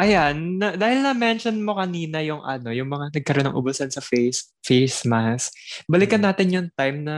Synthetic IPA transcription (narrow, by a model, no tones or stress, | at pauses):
ʔɐjanːɐd̪aːhɪlnɐmɛnʃonmo̞kɐniːnɐjʊŋʔɐno̞jʊŋmɐŋanɐɡ̚kɐɾonɐ̰ŋʔʊ̰bʊsɐnsɐfes | fejsmɐsbɐlɪkɐnːaːt̪ɪnjʊŋt̪ajmnɐ